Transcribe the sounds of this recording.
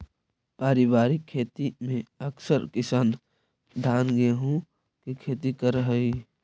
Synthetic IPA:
paːɾɪbaːɾɪkʰːeːt̪imẽɐksəɾkɪsaːn | d̪ʱaːnɡeɦũ | kikʰeːt̪ikəɾɦəi

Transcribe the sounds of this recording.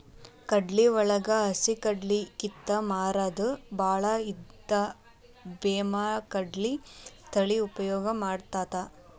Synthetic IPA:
kɐɖliʋɔɭɐɡɐɐsikɐɖlikit̪ːɐmaːɾad̪ubʱaːɭɐid̪ːɐ | beːmaːkɐɖlit̪ʰɐɭiupɐjɔːɡɐmaːɽt̪aːt̪a

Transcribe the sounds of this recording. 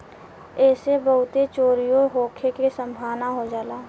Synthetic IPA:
ɛːsebəɦʊt̪et͡ʃoːɾijoɦoːkʰekesə̃mbʱaːʋnaɦod͡ʒaːlaː

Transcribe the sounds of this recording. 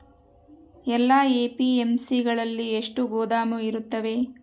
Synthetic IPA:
ɛlːaːeːpiemsiɡɐɭɐlːieʂʈuɡoːd̪aːmuiɾut̪ːɐʋe̞

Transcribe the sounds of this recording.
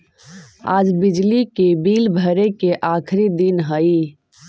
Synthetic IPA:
a̰ːd͡ʒbɪd͡ʒlikebiːlbʱəɾekeʔaːkʰɾid̪inɦəi

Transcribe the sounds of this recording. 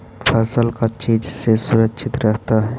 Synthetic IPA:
pʰəsəlkat͡ʃiːd͡ʒsesʊɾəkʃʰɪt̪ɾəɦt̪aɦɛː

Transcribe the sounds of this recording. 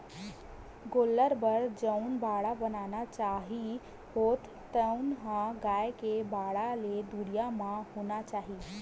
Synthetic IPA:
ɡolːəɾbəɾd͡ʒəʊnbaɽabənanat͡ʃaɦi | hot̪ | t̪əʊnɦãɡaekebaɽaled̪uɾijamãhunat͡ʃaɦi

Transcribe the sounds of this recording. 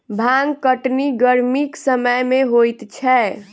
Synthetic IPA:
bʱaŋkəʈniɡəɾmiksəməjmeɦojt̪t͡ʃʰɛ

